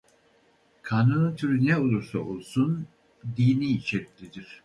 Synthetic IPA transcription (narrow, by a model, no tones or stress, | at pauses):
kʰanunɯnt̪ʰyɾynɛolˠuɾsaolˠsun | d̪iːniːʃɛɾt̪ʲlʲid̪iɾ̥